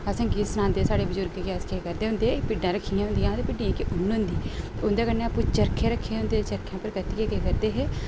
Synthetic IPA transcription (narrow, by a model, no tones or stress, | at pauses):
əsãːɡisənãːnd̪eːsaːɽeːbəd͡ʒʊɾɡeːkaskekəɾd̪eːʊ̃nd̪eːpɪɖːãːɾəkʰːiːãɦʊ̃nd̪ijãːt̪epɪɖiːãːkeʔʊnʊ̃nd̪iːʊnd̪eːkəɾnːeːapũt͡ʃəɾkʰẽːɾəkʰːẽːʊ̃nd̪eːt͡ʃəɾkʰːãːpəɾkət̪ikekeːkəɾd̪eːɦeː